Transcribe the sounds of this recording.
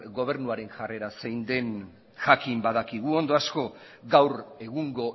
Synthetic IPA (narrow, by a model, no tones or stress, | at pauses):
ɡo̞β̞e̞ɾnuaɾe̞nʝare̞ɾasejnd̪e̞n | ʝakimbaðakiɣ̞uo̞nd̪o̞asko̞ | ɡawɾe̞ɣuŋɡo̞